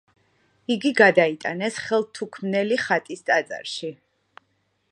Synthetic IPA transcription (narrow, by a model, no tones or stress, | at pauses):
iɡiɡad̪ait̪ʼanɛsχɛlˠt̪ʰukʰmnɛliχat̪ʼist̪ʼat̪sʼa̰ɾʃi